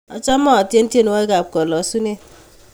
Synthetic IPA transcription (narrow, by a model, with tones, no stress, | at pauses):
ɔ˨t͡ʃa˦mɔ˦a˨tje˦n̩˦te˦nu˦wa˦e˦ɡa˨b̚kɔ˨lɔ˨˦su˦ne˦